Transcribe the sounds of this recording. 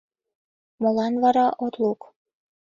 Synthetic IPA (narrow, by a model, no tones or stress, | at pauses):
molɑnβɑɾɑʔot̪luk